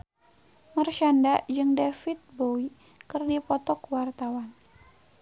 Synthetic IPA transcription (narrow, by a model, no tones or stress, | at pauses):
mərʃandad͡ʒɨŋdefit̪̚bowi | kɨrdipɔt̪ɔkwart̪awan